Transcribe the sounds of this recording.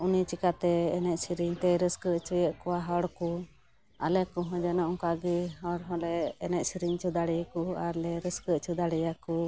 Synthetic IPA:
unit͡ʃikat̪ɛːnɛʔ̚siɾiɲt̪ɛɾəskəʔt͡ʃujəʔkɔwaɦɔɽku | a̰lɛkɔɦɔ̃d͡ʒɛnɔʔɔŋkaɡiɦɔɽɦɔ̃lɛːnɛʔsiɾiɲt͡ʃud̪aɽɛjkuaɾlɛɾəskəʔt͡ʃud̪aɽɛjaku

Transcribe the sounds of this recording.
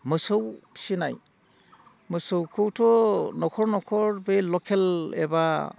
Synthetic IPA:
mɯsɯwsinaj | mɯsɯwkʰɯwtʰɔnɔkʰɔɹnɔkʰɔɹbejlɔkʰelḛba

